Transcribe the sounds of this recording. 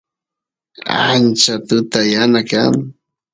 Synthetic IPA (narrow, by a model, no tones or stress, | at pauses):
a̰nt͡ʃat̪ʊt̪ajanaka̰ŋ